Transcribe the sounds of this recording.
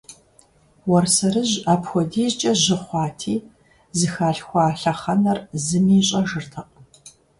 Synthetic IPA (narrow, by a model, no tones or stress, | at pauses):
wɔrsɐɾɨʑaːpxʷɔdiːzt͡ʃʼɐʑɪχʷɑːtʰiː | zɨxaːɬxʷɑːɬɐχɐnɐrzɨmiːɕʼɐʒɨrtʰɐqʼ